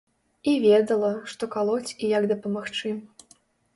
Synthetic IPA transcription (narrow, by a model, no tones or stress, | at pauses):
ivʲɛd̪ɐlˠɐʂt̪ɔkalˠɔt͡sʲkʲijaɡd̪ɐpɐmaxt͡ʂɨ